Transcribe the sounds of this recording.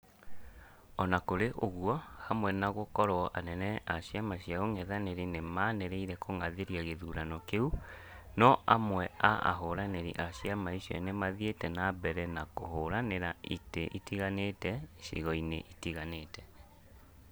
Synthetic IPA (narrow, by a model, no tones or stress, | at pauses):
ɔnakoɾeʔoɣwɔhamwɛnaɣokɔɾwɔʔanɛnɛʔaɕiamaɕijaoŋɛðaneɾinemaneɾeiɾɛkʰoŋaðeɾiaɣeðuɾanɔkeu | nɔʔamwɛaʔa̰ɦoɾaneɾḭʔaɕiamaiɕɔ̰nemaðietɛnabɛɾɛnakohoɾaneɾaiteʔitiɣanetɛɕḭɣɔineʔitiɣanetɛ